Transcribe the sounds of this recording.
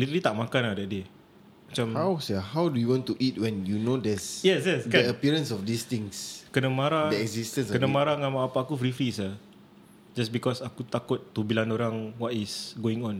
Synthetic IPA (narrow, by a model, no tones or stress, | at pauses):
lit̪əlit̪aʔmakanahdɛʔ̚de | mat͡ʃamhawsəhawdujuwɔ̃ntuʔit̚wɛ̃njunodɛsjɛsjɛskəəpiɾə̃nsɔfdist̪ĩŋskənə̃maɾadɛɡzistə̃nskənəmaɾaŋamaapaːkufɾifɾisa | d͡ʒasbikɔsakut̪akʊt̪ːubilanoɾaŋwɔtisɡoɪ̃ŋɔ̃n